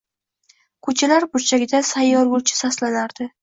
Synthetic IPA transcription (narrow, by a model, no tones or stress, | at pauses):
kʰɵt͡ʃʰalaɾbʊɾt͡ʃʰaɡʲɪd̪asajːɒɾɡʊlt͡ʃʰɪ̥saslanaɾd̪̥ɪ